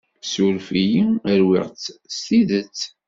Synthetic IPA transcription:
suɾfijiəɾwɪ̰ʁt͡sst̪iðət͡sː

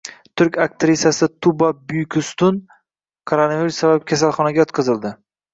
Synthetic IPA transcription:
t̪ʰʊɾkʲakt̪ɾɪsjasɪt̪ʰʊbabʊjkʲʰʊst̪ʊn | kʰoɾanaviɾʊsːabap̚kʲʰas̬alˠχɒnaɡʲajɒt̪qʰɨzɪld̪ɪ

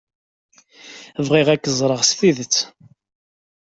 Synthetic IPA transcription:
vʁiʁækːəzˤɾˤəʁsθiðət͡sː

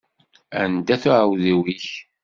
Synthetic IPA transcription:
ænd̪æθʊʕəwðiwiç

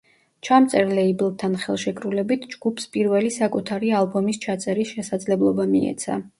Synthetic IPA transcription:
t͡ʃʰamt̪sʼɛɾlɛiblˠt̪ʰːanχɛlˠʃɛkʰʼɾulɛbit̪ʰd͡ʒɡupʰspʼiɾvɛlisakʼut̪ʰaɾialˠbɔmist͡ʃʰat̪sʼɛɾisʃɛsad̪zlɛblˠɔbamḭɛ̰t̪sʰa̰

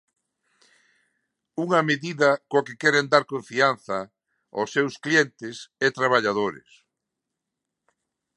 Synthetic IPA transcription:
uŋɐmeðiðɐkoakekɛɾend̪aɾkõɱfianθɐ | osːewsklient̪ɪsɛt̪ɾaβaʎaðoɾḛs

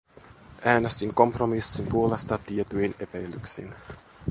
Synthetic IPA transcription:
ʔæːnest̪iŋko̞mpromisːimpuolest̪ɑt̪iet̪yine̞pæjlːyksḭn

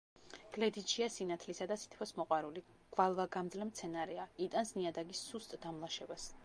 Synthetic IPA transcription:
ɡ̥lɛd̪it̪ʃiasinat̪ʰlisad̪asi̥t̪ʰpʰɔsmɔqʼwaɾuli | ɡ̥valˠvaɡamd̪zlɛmt̪sʰɛnaɾɛait̪ʼansniad̪aɡisːust̪ʼd̪̥amlˠaʃɛbas

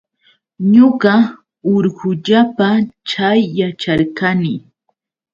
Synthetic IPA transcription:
ɲoɢɑ | oɾɢʊʎapat͡ʃajːat͡ʃaɾkanɪ

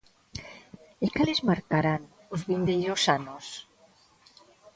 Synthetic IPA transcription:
ekalezmaɾkaɾan | ozβind̪eʎosanos

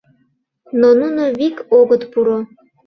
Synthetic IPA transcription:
nonunovikoɡət̪puɾo

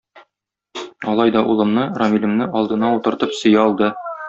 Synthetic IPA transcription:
ɒlˠɑjd̪ɒʔulˠɤ̆mnɤrɒmʲilʲɘ̆mnɘʔɒlˠd̪ɤ̆nɑut̪ɤ̆ɾt̪ɤpsɤ̆jɑɒlˠd̪ɤ

